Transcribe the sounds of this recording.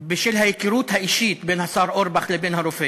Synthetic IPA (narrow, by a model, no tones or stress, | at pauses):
bɪʃɪlhæjkiɾuːt̪hæʔiʃiːt̪beːnhasɑːɾˤʔoɾˤbaxlɪbeːnhaɾˤofeː